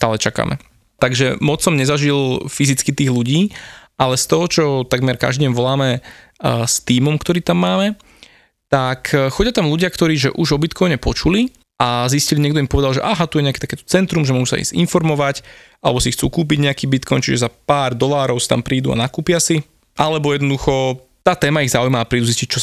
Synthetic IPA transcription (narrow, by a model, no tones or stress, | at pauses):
st̪aːlɛt͡ʃaka̰ːmʔɛ̰ | t̪aɡʒɛmɔt͡ssɔmɲɛzaʒilfizit͡skit̪iːɣluɟiː | alɛst̪ɔɦɔt͡ʃɔt̪aɡmɛɾka̰ʒd̪iɛmʋɔlaːmɛ | st̪iːmɔmkt̪ɔɾiːt̪amːaːmɛ | t̪akxɔɟɪat̪amluɟɪakt̪ɔɾiːʒɛ̰ʔuʒɔbit̪kʰɔjɲɛpɔt͡ʃuli | ʔazisciliɲɪɛɡ̚d̪ɔimpɔʋɛd̪alʒɛ̰ʔaːɦat̪ujɛɲɛakɛt̪akɛːt̪ɔ̥t͡sɛnt̪ɾumʒɛmɔɦusa̰ḭzḭnfɔɾmɔʋac | ʔalɛbɔsixt͡sṵːkuːp̬iɟɲɛakiːbit̪kʰɔjnt͡ʃiʒɛzapaːɾd̪ɔlaːɾɔʊsi̥t̪a̰mpɾiːd̪ua̰nakuːpɪasi | ʔalɛbɔjɛd̪nɔd̪uxɔ | t̪aːt̪ɛːmaiɣzaujmaːpɾiːd̪uziscic̚t͡ʃɔ